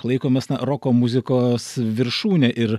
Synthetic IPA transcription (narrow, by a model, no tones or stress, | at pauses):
lˠɐɪkoːmʲɛsnɐɾokoːmʊzʲɪkoːsʋʲɪɾʃuːnʲɛʔɪɾ